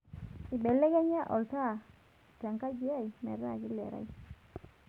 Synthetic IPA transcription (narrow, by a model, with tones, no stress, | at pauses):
i˨be˨le˦ɡe˦ɲa˦ʔɔ̰˨lta˦˨ | te˨ŋka˦d͡ʒi˦a˦˨jmɛ̰˨ɾa̰˦˨ɡi˦lḛ˨ɾa̰˦j